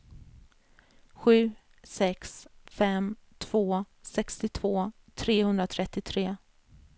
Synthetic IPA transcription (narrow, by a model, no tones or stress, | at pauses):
ɧʉ̟ː | sɛksfɛmt̪ʰv̥oː | sɛkst̪ɪt̪ʰv̥oː | t̪ʰɾeːhɵnd̪ɾat̪ʰɾɛt̪ːɪt̪ʰɾeː